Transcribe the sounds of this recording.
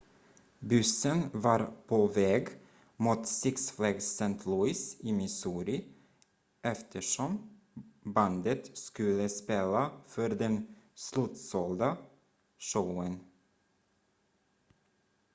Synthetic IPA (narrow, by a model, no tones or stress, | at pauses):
bʉsənvɑɾpʰovɛːɡ | muːt̪sɪksflɛɡsɛnt̪ʰlʉɪsɪmɪsuːɾɪ | ʔɛft̪ʰəʂɔm | band̪ət̪skɵləspeːlafœɾd̪ɛnslʉːt̪sɔld̪a | ʂœʊən